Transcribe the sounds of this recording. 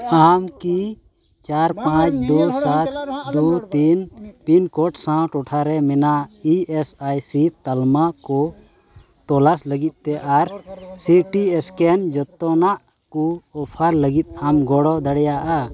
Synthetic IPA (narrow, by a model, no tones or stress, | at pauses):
amki | t͡ʃaɾpãt͡ʃd̪usat̪̚ʰd̪ut̪inpinkɔʈsãʈɔʈʰaɾɛmɛnaiɛsajsit̪almakɔ | t̪ɔlasləɡit̪̚ˀt̪ɛʔaɾsiʈiɛskɛnd͡ʒɔt̪ːɔnaʔ | kuɔpʰaɾləɡit̪̚amɡɔɽɔd̪əɽɛjaʔa